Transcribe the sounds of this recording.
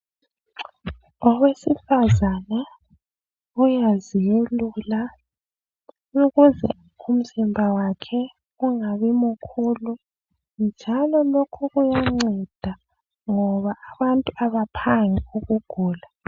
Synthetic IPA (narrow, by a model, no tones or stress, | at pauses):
ɔwesifazanɛ | ujazijelula | nuɣuzɛ̰ | um̩zimbʱawakʰɛ | uŋaβimukʰuːlu | nd͡ʒʱalɔlokʰuɣujaŋ͡ǀɛd̥ʱa | ŋɔβaʔːβantʼuaβapʰaŋiuɣuɡ̥ʱuːla